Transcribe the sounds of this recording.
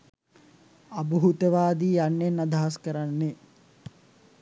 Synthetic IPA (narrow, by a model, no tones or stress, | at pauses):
abuɦut̪əʋaːd̪iːjanːenːad̪aɦaskəɾanːe